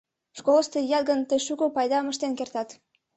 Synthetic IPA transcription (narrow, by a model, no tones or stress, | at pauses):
ʃkoləst̪ejɑt̪ɡənt̪əjʃukopɑjd̪ɑməʃt̪enkert̪ɑt̪